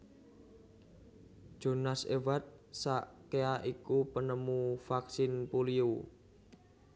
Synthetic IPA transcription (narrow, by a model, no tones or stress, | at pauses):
d̥ʒ̥o̤nasḛwat̪̚saʔkeaʔikupənəmufaksɪnpuliu